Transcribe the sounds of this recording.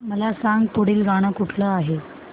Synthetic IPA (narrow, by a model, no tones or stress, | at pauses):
məlasaŋɡpoɽiːlɡaɽ̃əkuʈʰləaɦe